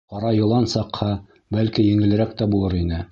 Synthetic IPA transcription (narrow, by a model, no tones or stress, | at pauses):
qɑɾɑjŏlˠɑnsɑqhɑ | bælkijɘ̆ŋɘ̆lɘ̆ɾækt̪æbulˠɤɾinɘ